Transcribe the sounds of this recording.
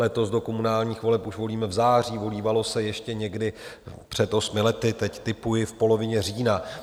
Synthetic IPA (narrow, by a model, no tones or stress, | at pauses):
lɛt̪o̞sdo̞ko̞munaːlɲiːxvo̞lɛpʔuʃvo̞liːmɛvzaːr̝iːvo̞liːvalo̞sɛjɛʃcɛɲɛɡdɪpr̥ɛt̪ʔo̞smɪlɛt̪ɪt̪ɛct̪ɪpujɪfpolo̞vɪɲɛr̝iːna